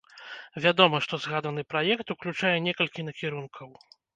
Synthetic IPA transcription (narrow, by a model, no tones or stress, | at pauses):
vʲad̪ɔmɐʂt̪ɔzɣad̪ɐnɨpɾajɛkt̪uklʲut͡ʂajɛnʲɛkɐlʲkʲinɐkʲiɾunkʰɐw